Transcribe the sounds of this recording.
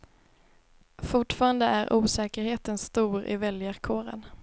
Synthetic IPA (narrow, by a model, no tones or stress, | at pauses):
fʊʈfɑːɾand̪əʔæɾʔuːsɛːkəɾheːt̪ənst̪uːɾɪ̰vɛljəɾkʰoːɾə̰n